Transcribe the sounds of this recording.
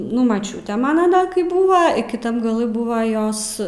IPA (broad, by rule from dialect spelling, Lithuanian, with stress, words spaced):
ˈnʊ mɐˈt͡ʃʲuːtʲeː ˈmɑːnɐ ˈdɐ kɐɪ ˈbuːʋɐ ɪ kʲɪˈtɐm ɡɐˈlˠɨ ˈbuːʋɐ ˈjoːs